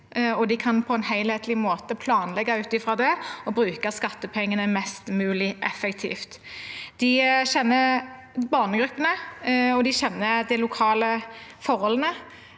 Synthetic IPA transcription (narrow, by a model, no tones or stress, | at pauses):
ɔd̪ɪkʰɑnpʰɔɛnhæɪlheːt̪lɪmoːt̪əpʰlɑːnlɛɡːɑʉːt̪ɪfɾɑːd̪ɛɔbɾʉːkəskɑt̪ːəpʰɛŋːənəmɛst̪mʉːlɪʔɛfɛkt̪ʰḭːft̪ | d̪̥ɪɕɛnːə | bɑːʁnəɡɾʉpːənəɔd̪ɪɕɛnːəd̪ɛlʊkʰɑːləfɔʁhɔlənə